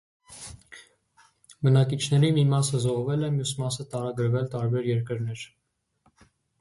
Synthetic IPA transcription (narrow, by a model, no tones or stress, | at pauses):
bənɑkit͡ʃʰn̪ɛɾimimɑsəzɔʁvɛlɛmjusmɑsət̪ɑɾɑɡəɾvɛlt̪ɑɾbɛɾjɛɾkəɾnɛɾ